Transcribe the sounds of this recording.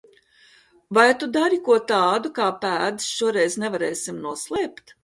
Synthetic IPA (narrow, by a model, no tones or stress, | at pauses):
vajt̪ud̪aɾikuɔt̪aːd̪ukaːpæːd̪i̥sʃuɔɾɛjznɛvaɾeːsimnuɔslˠɛːpt̪